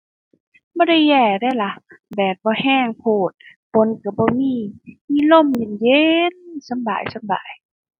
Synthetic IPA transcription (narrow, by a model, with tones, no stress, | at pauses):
bɔː˧˦ɾa˧˩jːɛː˧˩daː˧˨jla˧˦bɛː˨˩t̪̚bɔː˧˦hɛː˧˩˨ŋpʰoː˧˩t̪̚po˧˦˨nka˨˧˩bɔː˧miː˧˥˨miː˧˥˨lo˧˥˨mɲe˧˨nje˧nsa˧˦mba̰ː˨jsa˧˦mba̰ː˨j